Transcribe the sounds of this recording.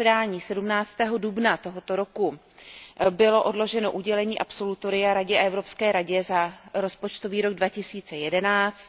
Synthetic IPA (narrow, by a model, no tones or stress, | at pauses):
ɛdaːɲiːsɛdumnaːt͡st̪ɛːɦo̞dubnat̪o̞ɦot̪o̞ɾo̞ku | bɪlo̞ʔo̞dlo̞ʒɛno̞ʔuɟɛlɛɲiːʔapso̞lut̪oɾɪjaɾaɟɛʔaɛvɾo̞pskɛːɾaɟɛzaɾo̞spo̞t͡ʃt̪o̞viːɾo̞ɡ̚dvacɪsiːt͡sɛjɛdɛnaːt͡st̪